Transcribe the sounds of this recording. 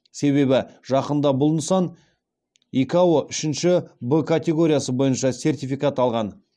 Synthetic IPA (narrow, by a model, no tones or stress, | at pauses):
se̞βe̞bɪʒ̥ɑqənd̪ɑbʊlˠnsɑn | ikawoʔʏʃɪnʃɪbəkʰat̪ʲe̞ɡo̞ɾʲijasəbo̞jənʃɑsʲe̞rt̪ifikat̪ɑlˠʁɑn